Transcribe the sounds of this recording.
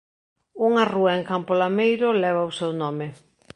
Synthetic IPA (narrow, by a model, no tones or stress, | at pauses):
uŋaruɐeŋkampolamejɾʊlɛβ̞ausɛwnɔmɪ